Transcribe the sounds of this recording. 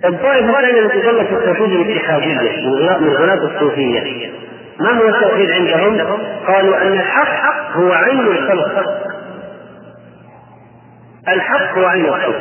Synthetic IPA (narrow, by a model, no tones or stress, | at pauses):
ʔɨd̪ˤːɑːʔɪfɣaːlʔɪnːamaɪd̪ɑlːɑt̪ɪt̪ːuːfɪjːalɪt̪ːɪħaːd̪ɪjːamɪnɣaʔmɪnlɣɪlaːt̪ɑsˤːuːfɪjːa̰ | maɦʊwːat̪ːaʔxiːd̪ʕɪnd̪aɦʊmqɑːluʔanːalħɑqːqːhʊwaʕajnɪlxʊlq | ʔɪlħɑqːhʊwaʕajnɪlxɑlq